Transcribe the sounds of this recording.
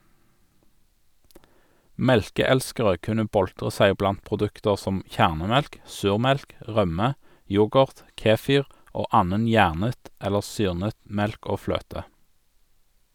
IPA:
ˈmɛlkəˌɛlskəʁə ˈkʉnə ˈbɔltʁə ˈsæɪ ˈblɑnt pʁʊˈdʉktəʁ ˈsɔm ˈçæʁnəˌmɛlk ˈsʉːʁˌmɛlk ˈʁœmə ˈjʊɡəʁt ˈkeːˌfiːʁ ˈoː ˈɑːnən ˈjæːʁnət ˈɛləʁ ˈsyːʁnət ˈmɛlk ˈoː ˈfløːtə

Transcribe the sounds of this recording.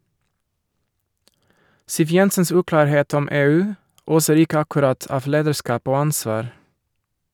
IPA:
ˈsiːʋ ˈjɛnsəns ˈʉːklɑːɾˌheːt ˈɔm ˈeːˌʉː ˈoːsəɾ ˈɪkə ɑkʉˈɾɑt ˈɑːʋ ˈleːdəˌʃkɑːp ˈoː ˈɑnsʋɑːɾ

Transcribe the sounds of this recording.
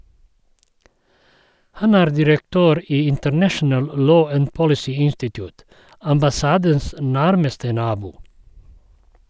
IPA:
ˈhɑn ˈæːɾ dɪɾəkˈtøːɾ ˈiː ɪntəɾˈnæʃn̩əl ˈloː ˈæn ˈpɔlɪsiː ˈɪnstɪtjʊːt ɑmbɑˈsɑːdəns ˈnæɾməstə ˈnɑːbuː

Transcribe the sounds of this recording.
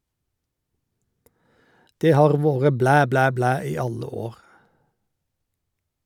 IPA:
ˈdeː ˈhɑːʁ ˈʋoːʁə ˈblæː ˈblæː ˈblæː ˈiː ˈɑlə ˈoːʁ

